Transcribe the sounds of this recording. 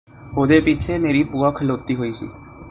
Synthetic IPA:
ɦod̪epit͡ʃʰemeːɾipuakʰəlot̪ːiɦoisḭ

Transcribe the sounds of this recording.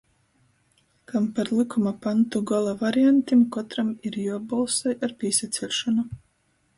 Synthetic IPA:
kampaɾlˠikʰumapant̪uɡalˠavaɾiant̪imkɔt̪ɾamiɾjuɔbɔlˠsajaɾpʲiɛsat̪sʲɛlʲʃɔnu

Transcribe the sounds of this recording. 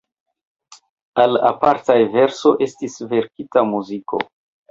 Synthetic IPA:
ala̰paɾtajve̞ɾso̞ʔe̞stisve̞ɾkitamuziko̞̰

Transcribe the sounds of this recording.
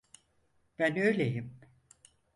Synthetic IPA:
b̥ænøjlʲejim

